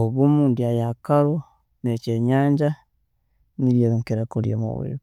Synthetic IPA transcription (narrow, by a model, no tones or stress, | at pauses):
oβomuːnduajakaɾo | net͡ʃeɲaːɲd͡ʒa | niɾjeβaŋkeɾakoɾjo̰mo̰wḛːβ